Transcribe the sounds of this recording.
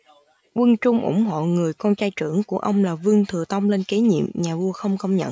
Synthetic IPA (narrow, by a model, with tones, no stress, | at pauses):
ʔwə˧ŋt͡ɕʊ˧ŋ͡mʔʊ̰˧˩ŋ͡mɦo̰˧˨ŋɨ˨˩əjkɔ˧nt͡ɕaː˧jt͡ɕɨ˧˩əŋku˧˩əʔə˧wŋ͡mlaː˨˩vɨ˧əŋt̪ʰɨ˨˩ət̪ə˧wŋ͡mle˧nke˨˦ɲḭ˧˨əmɲaː˨˩vu˧əxə˧wŋ͡mxə˧wŋ͡mɲə̰˧˨n